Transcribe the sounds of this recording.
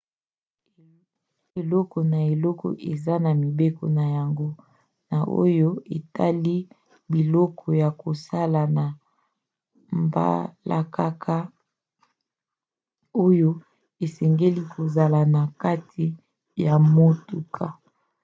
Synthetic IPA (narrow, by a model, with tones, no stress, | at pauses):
e˨lɔ˦kɔ˨na˨e˨lɔ˦kɔ̰˨ʔe˨za˦na˨mi˨be˦kɔ̰˨na˨ja˨ŋɡo˦ | na˨ʔo̰˦jo˦e˨ta˦li˦ | bi˨lɔ˦kʰɔ˨ja˨ko˨sa˦la˨na˨ | mba̰˦la̰˨ka˦kʰa˦ | o˦jo˦ | e˨sɛ˨ŋɡe˦li˦kʰo˨za˨la˨na˨ka˦tʰi˨ | ja˨mo˦tu˦kʰa˨